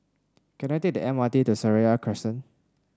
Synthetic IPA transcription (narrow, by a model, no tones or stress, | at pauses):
kɛ̃najtek̚dəʔɛ̃matitusəɹiakʰɹɛstə̃n